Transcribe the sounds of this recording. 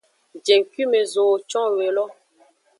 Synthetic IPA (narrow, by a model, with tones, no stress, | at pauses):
d͡ʒe˨ŋ˨ki˦me˨zoː˨t͡ʃɔ̃˦we˨lɔ˦